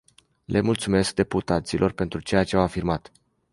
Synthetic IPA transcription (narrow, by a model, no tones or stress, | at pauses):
lʔe̞mult̪sume̞sk̚d̪e̞put̪at̪silʔo̞rpe̞nt̪ɾut͡ʃe̞jat͡ʃe̞awafirmat̪